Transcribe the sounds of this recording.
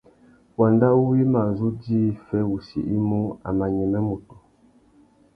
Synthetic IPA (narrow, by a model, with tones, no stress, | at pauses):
wa˨nda˦u˦wi˦ma˨zu˦di˦fɛ˦wu˨sḭ˨ʔi˦mu˦a̰˨ma˨ɲɛ˨mɛ˦mu˨tu̥˨